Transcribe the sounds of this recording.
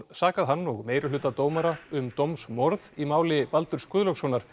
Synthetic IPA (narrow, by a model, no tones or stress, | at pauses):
saːkaðɦanːɔɣmeːjɾʏlʏːt̪at̪oːwmaɾaʏmt̪owmsmɔɾðimaːwlɪpalt̪ʏɾ̥skʏðlœsvɔnaɾ̥